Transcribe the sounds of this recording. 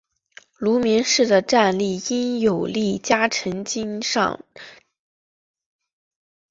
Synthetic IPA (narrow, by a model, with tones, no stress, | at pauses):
lu˧˥mjɛ˧˥nʂɻ̩˥˩d̪ə˩ʈ͡ʂa˥˧nli˥˩i˥njo˨˩ʊli˥˩t͡ɕja˥ʈ͡ʂʰə˧˥ŋt͡ɕi˥nʂɑ̰˥˧ŋ